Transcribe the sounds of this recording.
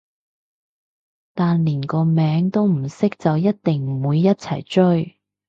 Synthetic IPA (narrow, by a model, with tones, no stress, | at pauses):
t̪aː˨nliː˨˩nkɔː˧mɛː˨˧˥ŋt̪o˥wm̩˨˩sɪ˥k̚t͡sɐ˨wjɐ˥t̚t̪ɪ˨ŋm̩˨˩wuː˨˧jːɐ˥t̚t͡sʰɐ̰˨˩jt͡ʃɵ˥ɥ